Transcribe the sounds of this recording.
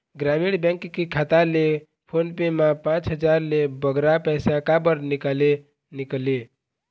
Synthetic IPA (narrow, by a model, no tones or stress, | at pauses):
ɡɾamiɽbɛ̃ŋkkekʰat̪ale | pʰonpemãpãt͡ʃɦəd͡ʒaɾlebəɡɾapəjsãkabəɾnikale | nikle